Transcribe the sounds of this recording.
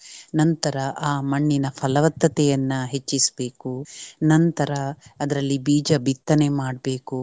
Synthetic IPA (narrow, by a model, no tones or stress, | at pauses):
nɐnt̪ɐɾɐʔaːmɐɳːinɐpʰɐlɐʋɐt̪ːɐt̪ɛjɐnːɐɦet͡ʃːisbe̞ːkunɐnt̪ɐɾɐːd̪ɐɾɐlːibiːd͡ʒɐbit̪ːɐnemaːɖ̚be̞ːku